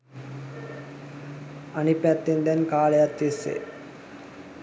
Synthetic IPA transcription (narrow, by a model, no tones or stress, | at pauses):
anipːæt̪ːend̪ɛnkaːləjat̪ːisːḛ